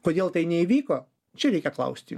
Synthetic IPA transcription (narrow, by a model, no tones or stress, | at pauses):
koːd̪ʲeːlˠt̪ɐɪnʲɛiʋʲiːkoː | t͡ʃʲɛɾʲɛɪkʲɛklˠɐ̰ʊsʲt̪ʲɪ